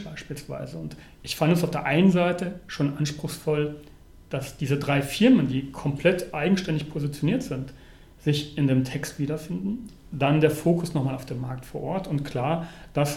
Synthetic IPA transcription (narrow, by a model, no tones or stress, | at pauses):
b̥aɪʃpiːlsv̥a̰ɪzəʊnt | ʔɪçfandəəsaʊfd̥eːɐʔaɪnənzaɪtəʃoːnʔanʃpʁ̥ʊxsfɔl | d̥asd̥iːzədʁaɪfɪɐməndiːkʰɔmpʰl̥ɛtʔaɪɡŋ̩ʃtɛndɪçpʰozit͡sjoniːɐtz̥ɪnt | z̥ɪçɪndeːmtʰɛkstv̥iːdɐfɪndn̩ | d̥andeːɐfoːkʰʊsnɔχmaːlaʊfd̥eːmaɐk̚tfoːɐʔɔɐtʊntkl̥aːɐd̥as